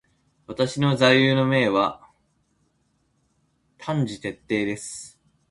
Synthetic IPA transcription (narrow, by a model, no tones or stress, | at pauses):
βat̪aɕino̞zaijɯːno̞me̞ːβa | t̪ʰãɲ̟d͡ʑit̪e̞t̪ːe̞ːd̪e̞sɨ̥